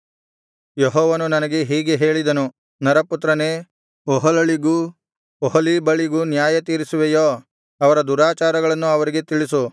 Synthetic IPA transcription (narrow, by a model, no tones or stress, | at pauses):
jeɦɔːʋɐnunɐnɐɡe̞ɦiːɡeɦe̞ːɭid̪ɐnu | nɐɾɐput̪ɾɐneː | ɔɦɐlɐɭiɡu | ɔɦɐlibɐɭiɡunjaːjɐt̪iːɾisuʋejoː | ɐʋɐɾɐd̪uɾaːt͡ʃaːɾɐɡɐɭɐnːuɐʋɐɾiɡet̪iɭisu